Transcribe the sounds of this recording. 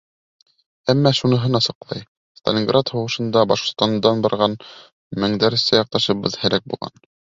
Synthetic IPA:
æmːæʃunɤ̆ɦɤnɑsɤ̆qlˠɑ̰j | st̪ɐ̰lʲɪŋɡrat̪hŏwɤ̆ʃɤ̆nd̪ɑbɑ̰ʃqŏt̪st̪ɑnd̪ɑnbɑɾʁɑn | mɘ̆ŋd̪æɾɘ̆sæjɑq̚t̪ɑʃɤ̆βɤðhɘ̆læk̚bulˠʁɑ̰n

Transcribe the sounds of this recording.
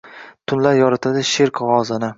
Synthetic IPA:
t̪ʰʊnlaɾjɒɾɪt̪ʰad̪ɪʃeɾkʁɒzɪnɪ

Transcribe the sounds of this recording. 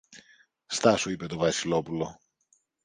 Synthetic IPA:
st̪ɐsuipe̞t̪o̞vɐsilo̞pulo̞

